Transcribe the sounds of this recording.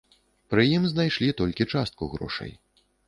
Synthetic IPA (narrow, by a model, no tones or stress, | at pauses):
pɾɨjimznajʂlʲit̪ɔlʲkʲit͡ʂast̪̚kuɣɾɔ̰ʂɐ̰j